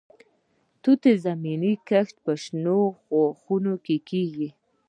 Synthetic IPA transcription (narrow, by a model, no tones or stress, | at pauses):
t̪ut̪ezaminikaxʈpəʃnoxoxunokekiɡi